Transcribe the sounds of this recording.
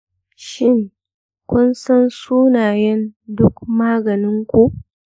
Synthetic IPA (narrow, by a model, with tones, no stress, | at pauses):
ʃɪ˦ŋ | kʷʊ˦nsɐ˦nsuː˦naː˨jɛ˦ndʊ˦kmaː˦ɡɐ˨nɪ˦ŋkʷu˦˨ʔ